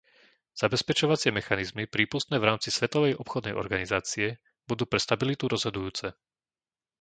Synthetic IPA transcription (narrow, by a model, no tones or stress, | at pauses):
z̥abɛspɛt͡ʃɔʋat͡sɪɛmɛxanizmipɾiːpust̪nɛːvɾaːmt͡sisʋɛt̪ɔʋɛjɔpxɔd̪nɛ̰jʔɔ̰ɾɡanizaːt͡siɛ | b̥ud̪uːpɾɛst̪abilit̪uɾɔzɦɔd̪ujuːt͡sɛ